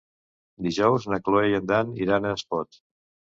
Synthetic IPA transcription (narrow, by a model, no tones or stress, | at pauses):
d̪iʒɔwznəkloejənd̪aniɾanəːspɔt̪